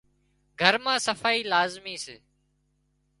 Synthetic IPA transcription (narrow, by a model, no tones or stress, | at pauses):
ɡʱəɾmãːsəfaːiːlaːzmiːsɪ̰ː